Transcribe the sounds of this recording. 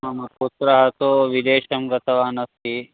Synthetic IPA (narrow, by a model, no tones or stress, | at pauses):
ɐmɐpoːt̪ɾɐɦɐt̪oʋid̪eːʃɐmɡɐt̪ɐʋaːnɐst̪i